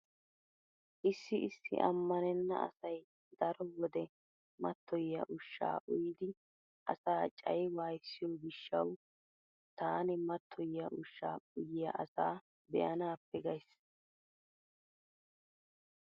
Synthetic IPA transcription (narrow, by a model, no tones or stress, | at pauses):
ʔɪsːɪʔɪsːɪ̰ʔɐ̰mːɐnɛnːɐ̰ɐ̰sɐj | d̪̥ɐɾɔwɔd̪ɛ | mɐt̪ʰːɔjːɐ̰ʔʊʃːa̰ːʔʊjɪd̪ɪ | ʔɐ̰saːt͡ʃʼɐjwaːjsːɪjɔɡɪʃːɐw | t̪aːnɪmɐt̪ʰːɔjːɐʔʊʃːa̰ːʊjɪjɐʔɐsaː | bɛ̰ʔɐnaːpːɛɡɐjs